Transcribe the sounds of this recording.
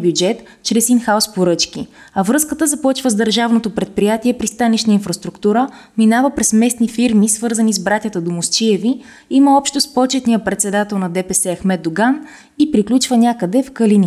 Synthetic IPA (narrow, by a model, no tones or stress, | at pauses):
bjud͡ʒɛt̪ | t͡ʃɾɛsinxaʊspoɾɤt͡ʃkiɐvɾɤskət̪əzɐpɔt͡ʃvəzd̪əɾʒavnot̪opɾɛt̪̚pɾijat̪iɛpɾist̪anit͡ʃnəinfɾɐst̪ɾukt̪uɾə | minavəpɾɛsmɛsnifiɾmisvɤɾzənizbɾat̪ʲjət̪əd̪omʊst͡ʃiɛvi | iməɔpʃt̪ospɔt͡ʃɛt̪nijəpɾɛt̪sɛd̪at̪ɛlˠnɐd̪ɛpɛsɛɐxmɛd̪d̪ʊɡan | ipɾiklʲut͡ʃvənʲakəd̪ɛfkəlini